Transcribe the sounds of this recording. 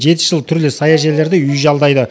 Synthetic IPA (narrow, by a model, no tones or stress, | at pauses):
ʒe̞t̪ɪ̥ʒ̥əlˠt̪ʰʏɾlɪsɑjɑʒe̞le̞ɾd̪ɪʏjʒɑlˠd̪ɑjd̪ə